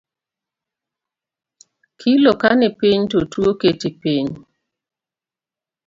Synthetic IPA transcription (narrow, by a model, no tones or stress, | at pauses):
kʰilokanɪpiɲtotwoketipiɲ